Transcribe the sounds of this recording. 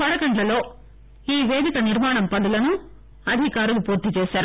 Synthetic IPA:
pɐɽɐkɐɳɖlɐlo̞ː | iːʋeːd̪ikɐniɾmaːɳɐmpɐd̪ɐlɐnu | ɐd̪ʱikaːɾulupuːɾt̪it͡ʃeːʃaːɾu

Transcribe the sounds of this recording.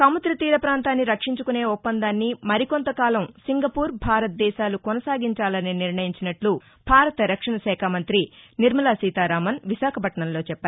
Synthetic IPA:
kɐmɐt̪ɾɐt̪iːɾɐpɾaːnt̪aːnːiɾɐkʂiɲt͡ʃukune̞ːupːɐnd̪aːnːimɐɾikont̪ɐkaːlɐmsiŋɡɐpuːɾbʱaːɾɐt̪̚d̪ɛːʃaːlukonɐsaːɡiɲt͡ʃaːlɐniniɾɳɐjiɲt͡ʃinɐʈlu | bʱaːɾɐt̪ɐɾɐkʂɐɳɐʃɛːkʰaːmɐnt̪ɾiniɾmɐlaːsiːt̪aːɾaːmɐnʋiʃaːkʰɐpɐʈɐɳɐmlo̞ːt͡ʃɛpːaː

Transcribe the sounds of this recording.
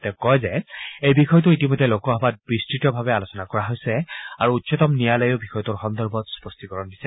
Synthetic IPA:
tɛkɔjzɛejbixɔjɔt̬ʊitimɔjdʱːɛlokɔɦɔbat̚b̥ɹistɹitɔbʱabɛalosɔnakɔɹaɦojsɛaɹuutsɔtɔmnijalɔjobixɔjɔtuɹxɔnd̪ɔɹbɔtspɔstikɔɹɔndisɛ

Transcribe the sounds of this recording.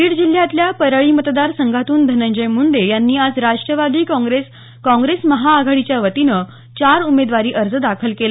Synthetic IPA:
iːɽd͡ʑil̤jat̪ljapəɾaɭiːmət̪d̪aɾsəŋɡʱat̪uːnd̪ʱənəɲd͡ʑəjmuɳd̪ejanːiːad͡zɾaʂʈɾəʋad̪iːkɡɾes | kɔ̃ŋɡɾesməɦaːɡʱaɽit͡ɕjaʋət̪inə | t͡ɕaɾumed̪ʋaɾiːʔəɾd͡zəd̪akʰəlkelə

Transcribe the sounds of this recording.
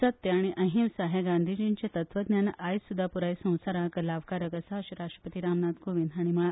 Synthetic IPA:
ət̪ːeaɽ̃iʔəɦĩmsaɦaɡand̪ʱid͡ʑiɲt͡ɕjat̪ət̪ʰʋəd̪nʲjanʔajsud̪ʱːapuɾajsə̃w̃saɾãkəlaʋkaɾəkəsaɕɾaʂʈɾə̥pət̪iɾamnad̪koʋinaɽ̃iməɭa

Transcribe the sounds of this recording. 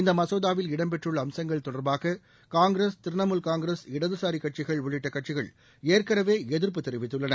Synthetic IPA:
ɪnd̪ɐmɐsoːðaːʋɪlɪɽɐmpɛʈrɯɭːɐːmsɐŋɡɐɭt̪ɔɽɐɾbaːɣɐ | kaːŋɡɾeːst̪ɪɾnɐmɯlkaːŋɡɾeːsɪɽɐðɯsaːɾikːɐʈ̚t͡ʃɪɣɐɭʋʊɭɪʈːɐkɐʈ̚t͡ʃɪɣɐɭ | eːrkɐɾɐʋeːɛðɪɾp̬ɯt̪ːɛɾɪʋɪt̪ːɯɭːɐnɐ

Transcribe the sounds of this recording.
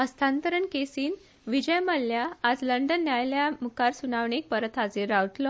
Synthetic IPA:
əst̪ʰant̪əɾəɳkesiːn | ʋid͡ʑəjməlːjaːd͡zləɳɖənːjajljamukaɾsunaʋɳek̚pəɾət̪ad͡zeɾawʈlɔ

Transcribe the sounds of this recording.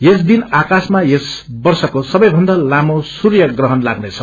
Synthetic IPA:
jes̬d̪inakasmajes | bʌrsʌkosʌbʌjbʱʌnd̪alamosurjʌɡrʌɦʌnlaɡnet͡sʰʌ

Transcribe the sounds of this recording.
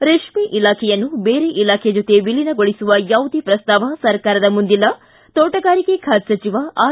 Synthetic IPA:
ɾeʂmiʔilaːkʰɛjɐnːubeːɾeʔilaːkʰed͡ʒot̪ebilinɐɡoɭisuʋɐjaːʋud̪ʱipɾɐst̪aːʋɐsɐɾkaːɾɐd̪ɐmund̪ilɐ | t̪oːʈɐɡaːɾikekʰaːt̪sɐt͡ʃiʋaʔaː

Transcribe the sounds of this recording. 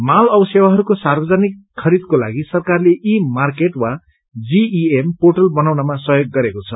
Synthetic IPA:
malʌbʌsewaɦʌɾukosarbʌd͡zanikʰːʌɾid̪̚kola̰ɡisʌrkarleʔimarkeʈwa | d͡ziiemporʈʌlbʌnawnʌmasʌɦjoɡːʌɾekot͡sʰʌ

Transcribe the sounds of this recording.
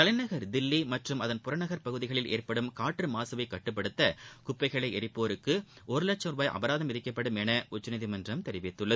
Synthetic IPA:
k̪ɐlɐɪnɐɣɐɾd̪ɪlːimɐʈrɯmɐðɐnpʊɾɐnɐɣɐɾpɐɣɯðɪɣɐɭɪlḛːɾpɐɽɯmkaːʈrɯmaːsɐʋɐɪkːɐʈːɯp̬ːɐɽɯt̪ːɐkʊpːɐɪɣɐɭɐɪɛɾɪpːoːɾɯkːɯ | ʔɔɾɯlɐt͡ʃːɐʋaːjʔɐ̰bɐɾaːðɐmɪðɪkːɐpːɐɽɯmɛnɐʔʊt͡ʃːɐnɐðɪmɐndrɐmt̪ɛɾɪʋɪt̪ːɯɭːɐðɯ

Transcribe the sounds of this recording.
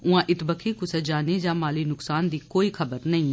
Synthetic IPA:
ʊãːʔɪt̪bəkʰiːkʊsəd͡ʒaːned͡ʒãːmaːliːnʊksaːnd̪iːkoːiːkʰəbəɾnəĩː

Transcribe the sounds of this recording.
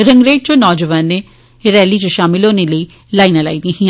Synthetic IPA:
ɾə̃ŋɡɾeːʈ̚t͡ʃonɔːd͡ʒəʋaːnːe | ɾɛːlid͡ʒoʃaːmɪlɦoːneləi | laːɪinala̰ːid̪ĩɦĩã

